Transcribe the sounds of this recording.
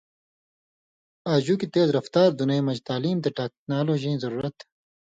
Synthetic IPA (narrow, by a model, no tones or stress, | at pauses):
aːd͡ʑuːkit̪eːzɾɐft̪aːɾd̪unejmɐd͡ʑt̪aːliːmt̪eʈeːk̚naːloːd͡ʑĩzɐɾuːɾɐt̪